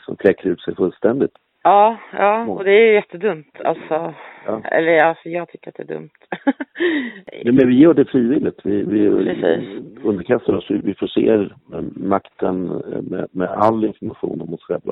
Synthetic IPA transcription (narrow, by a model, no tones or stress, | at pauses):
sɔ̰mflɛkːaɾʉːt̪sɛɾfɵlst̪ɛnd̪ɪt̪ | ɑːjɑːɔd̪ɛæjʏjɛt̪ʰːəd̪ɵmt̪ʰa̰lt̪sɔɑːɛ̰lːəɾɑjɑːɡt̪ʰʏkːəɾat̪̚d̪ɛæːɖ̪ɵ̰mt̪ | ɛmɛnvɪjœːɖɛfɾiːvɪlːɪt̪vɪvɪɾɛsḭːɵnd̪əɾkʰast̪aɾɔsvɪvɪfɔʂḛːɾmakt̪ənmɛ̰mɛalːɪnfɔɾmaɧṵːnɔmhʊsɧɛlːa̰